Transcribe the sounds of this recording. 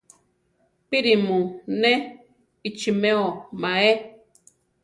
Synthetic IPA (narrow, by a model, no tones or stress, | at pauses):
piɾimũne | it͡ʃimeomae